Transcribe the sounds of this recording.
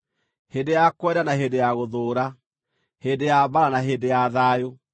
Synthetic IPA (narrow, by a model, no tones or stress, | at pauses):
hedejakwɛdanaɦeːdejaɣoðoːɾa | heːdejaβaɾanaɦedejaðajo